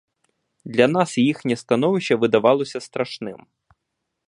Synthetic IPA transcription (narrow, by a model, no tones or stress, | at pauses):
d̪lʲɐnɑsjixnʲɐst̪ɐnɔʋɪʃt͡ʃːɐʋɪd̪ɐʋɑlˠɔsʲɐst̪ɾɐʃnɪm